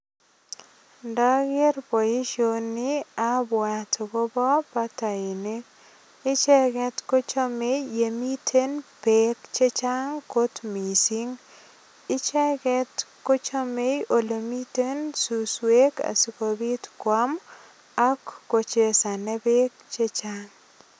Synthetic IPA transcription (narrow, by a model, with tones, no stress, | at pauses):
ndɔ˦ɡɪ˦ɾpo˨ji˦ʃonːɪ˦a˦bwa˨tʰo˨ɡo˦bɔ˦pa˦ta˨i˨ne˦k | ɪ˦t͡ʃɛ˦ɡɛ˦tko˦t͡ʃo˦me˦je˨mi˦tʰe˦npekt͡ʃe˦t͡ʃa˦ŋko˦tmi˨si˦ŋ | ɪ˦t͡ʃɛ˦kɛtko˦t͡ʃo˦me˦jʔo˨lo˨mi˦te˦nsuswe˦ka̰˨sɪ˨ko˨bi˦tkwa˦m | a˦kːo˨t͡ʃe˨sa˨ne˦be˦kt͡ʃe˦t͡ʃaŋ